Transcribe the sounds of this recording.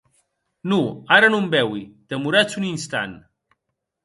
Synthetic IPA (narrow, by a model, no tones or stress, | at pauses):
nuaɾənumbɛwid̪̥əmuɾat͡suninst̪a̰n